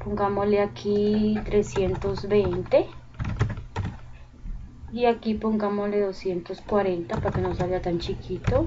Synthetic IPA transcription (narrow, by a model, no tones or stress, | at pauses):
poŋɡamoleakʰit̪ɾesjent̪ozbent̪e | iakipoŋɡamoleðosjent̪oskwaɾent̪apaɾkenõnsaβiat̪ant͡ʃikʰit̪o